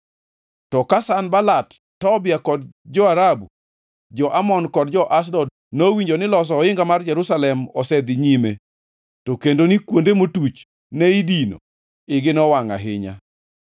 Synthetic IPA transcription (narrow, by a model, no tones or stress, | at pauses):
tɔkasanbalatːɔbɪjakɔd̚d͡ʒɔaɾab | d͡ʒɔʔamɔnkɔd̚d͡ʒɔʔas̬dɔ | nowiɲd͡ʒonɪlɔs̬ɔːɪŋɡamard͡ʒɛɾusalɛmɔsɛd̪ɪɲime | tɔkendonikwondemotut͡ʃ | nɛidino̰ | ɪɡɪnɔwaŋa̰ɦɪɲa̰